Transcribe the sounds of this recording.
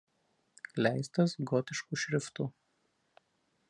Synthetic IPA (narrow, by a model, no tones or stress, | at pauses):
lʲæˑɪst̪ɐsɡɔt̪ʲɪʃkuːʃʲɾʲɪft̪uː